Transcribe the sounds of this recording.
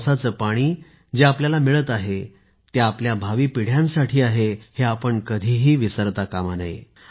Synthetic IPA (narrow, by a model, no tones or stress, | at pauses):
sat͡səːpaɽ̃iː | d͡ʑeapljalamiɭət̪aɦe | t̪jaapljabʱaʋiːpiɽ̤jãnsaʈʰiːaɦeheapəɳkəd̪ʱiːɦiːʋisəɾt̪akamana̰j